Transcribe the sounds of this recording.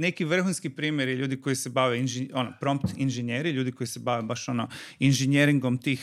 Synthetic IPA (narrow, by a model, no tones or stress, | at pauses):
ne̞kiʋr̩xunskipɾiːmjeɾjeʎuːd̪iko̞jisebaʋeinʒeo̞nopɾo̞mpt̪inʒeɲeːɾiʎuːd̪iko̞jise̞baʋebaʃo̞noinʒeɲeɾiŋɡo̞mt̪iːx